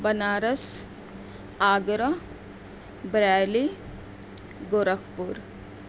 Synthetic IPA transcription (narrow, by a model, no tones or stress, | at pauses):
bɐnaːɾɐs | aːɡɾɐ | bɾaːli | ɡoɾɐkʰpuɾ